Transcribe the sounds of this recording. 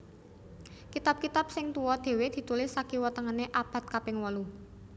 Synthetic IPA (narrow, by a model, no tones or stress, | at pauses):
kit̪ab̚kit̪ap̚sɪŋt̪uwɔd̪̥e̤wed̪̥i̤t̪ulɪsːakiwət̪əŋaneʔab̥a̤t̪̚kapɪŋwɔlu